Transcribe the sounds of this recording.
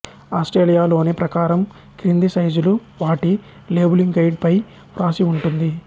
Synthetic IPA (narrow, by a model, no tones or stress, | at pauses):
aːsʈɾeːlijaːlo̞ːnepɾɐkaːɾɐm | kɾind̪isɐjd͡ʒuluʋaːʈi | le̞ːbuliŋɡɡɐjɖ̚pɐj | pɾaːsiuɳʈund̪i